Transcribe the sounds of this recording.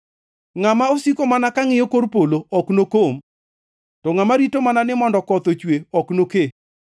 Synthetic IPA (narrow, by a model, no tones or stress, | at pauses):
ŋamaosikomanakaŋɪjokoɾpoloɔknokom | tɔŋamaɾitomananɪmɔndɔkɔt̪ot͡ʃweɔknoke